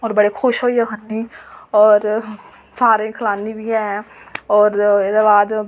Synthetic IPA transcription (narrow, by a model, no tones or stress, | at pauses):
ɔːɾbəɽekʰʊʃɦoːiɦɛɦənːiɔːɾ | t̪ʰaːɾẽkʰəlaːnːibʱiɦɛɦɛɔːɾed̪ebaːd̪